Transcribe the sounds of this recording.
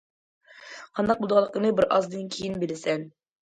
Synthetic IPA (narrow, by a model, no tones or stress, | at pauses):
qʰɑnd̪ɑq̚bulˠd̪ʁɑlˠəqənɨbɪɾʔɑzd̪ɨnkʲʰijinbɪlɪsɛn